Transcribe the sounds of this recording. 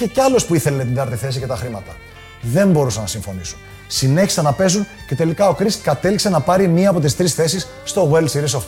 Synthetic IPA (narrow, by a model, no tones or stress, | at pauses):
çeceɐlo̞spuiθe̞lenet̪iŋɡ̪ɐɾt̪iθe̞sice̞t̪ɐxɾimɐt̪ɐ | ðe̞mbo̞ɾusɐnɐsiɱfo̞nisu̥n | sine̞çi̥sɐnɐpe̞zunce̞t̪e̞likɐo̞kɾiskɐt̪e̞liksenɐpɐɾimɲiɐːpo̞t̪ist̪ɾisθe̞sisːt̪o̞weld̪siɾisoft̪